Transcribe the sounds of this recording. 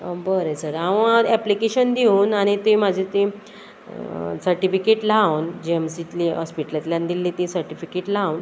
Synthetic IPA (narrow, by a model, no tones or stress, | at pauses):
bəɾet͡səɾaʋə̃at̪ɛplikeɕənd̪iũːnaɽ̃it̪ĩmad͡ʑʱit̪ĩ | səɾʈifikeʈlawnd͡ʑeemsit̪liɔspiʈəljat̪ljãnd̪ilːit̪ĩsəɾʈifikeʈlaun